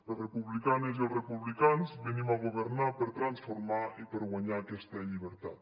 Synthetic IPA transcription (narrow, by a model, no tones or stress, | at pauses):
ərepuβlikaneziorepuβlikanzβenimaɣoβəɾnapəɾt̪ɾansfoɾmaipəɾɣwaɲaːkɛst̪əʎiβ̞əɾt̪at̪